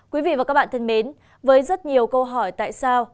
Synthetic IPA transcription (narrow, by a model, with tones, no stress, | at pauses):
kwi˨˦vḭ˧˨vaː˨˩kaː˦˥k̚ɓa̰ː˧˨˩t̪ʰə˧˩nɓe˨˦n | vəː˨˦jzə˦˥t̚ɲi˨˩əwkə˧wɦɔ˧˩jt̪a̰ː˧˨jsaː˧w